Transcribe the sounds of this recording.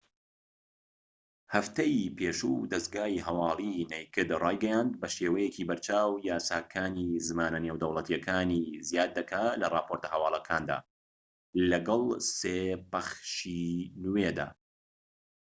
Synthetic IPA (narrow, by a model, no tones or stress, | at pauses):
hɐft̪ɐjipʰeːʃuːd̪ɐsɡaːiɦɐwɑːlˠinejkɨd̪raːjɡɐjaːnd̪̚bɐʃeːwɐjeciːbɐɾt͡ʃʰaːwjaːsaːkʰaːnizɨmaːnɐnewd̪ɐwlˠɐt̪ʰijɛkʰaːnizijaːd̪̚ːɐkʰaːlɐrˤɑːpʰo̞ɾt̪ɐhɐwɑːlˠɐkʰaːnd̪a̰ː | lɐɡɐlˠseːpɐχʃinwed̪a̰ː